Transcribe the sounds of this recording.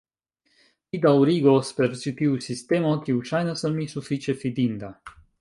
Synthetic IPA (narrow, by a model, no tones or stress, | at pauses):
id̪awɾiɡospeɾt͡ʃit̪iusist̪emɔkiuʃajnasəmisufit͡ʃefid̪ind̪a